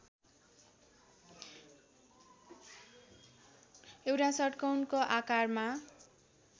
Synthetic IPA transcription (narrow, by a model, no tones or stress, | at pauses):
ewɾasʌʈkʌwnkoʔakarma